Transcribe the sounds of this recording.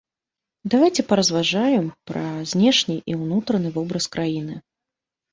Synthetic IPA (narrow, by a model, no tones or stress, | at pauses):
d̪avajt͡sʲɛpɐɾɐzvaʐajɛmpɾɐzʲnʲɛʂnʲiʔiwnut̪ɾɐnɨvɔbɾɐskɾajinɨ